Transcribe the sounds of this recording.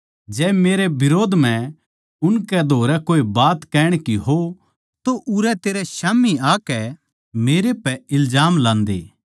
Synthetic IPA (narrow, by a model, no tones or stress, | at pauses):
d͡ʒɛːmeːɾebɪɾoːd̪ʱm̤ɛ̃ | ʊnkɛd̪ʱoːɾɛkoːibaːt̪kɛːɽ̃kiɦo | t̪oʔʊɾɛt̪eːɾɛʃaːmiaːkɛ | meːɾepɛɪlzaːmlãːnd̪ḛː